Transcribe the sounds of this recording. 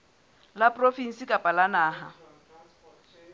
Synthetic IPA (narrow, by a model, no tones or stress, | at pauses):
lapʼrofin̩sikʼapʼalanaːɦa